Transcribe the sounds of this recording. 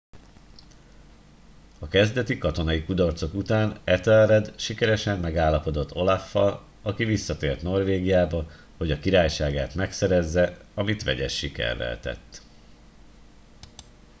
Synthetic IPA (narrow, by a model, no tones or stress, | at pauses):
ɒkɛzd̪ɛt̪ikɒt̪o̞nɒikud̪ɒrt̪so̞kut̪aːnɛt̪ɛlrɛd̪ʃikɛɾɛʃɛmːɛɡaːlːɒpo̞d̪o̞t̪ʰːo̞lafːɒl | ɒkivisːɒt̪eːrt̪no̞rʋeːɡijaːbɒ | ho̞ɟɒkiɾaːjʃaːɡaːt̪mɛksɛɾɛzːɛɒmit̪ʋɛ̰ɟɛ̰ʃːikɛ̰rːɛ̰lt̪ɛ̰t̪ː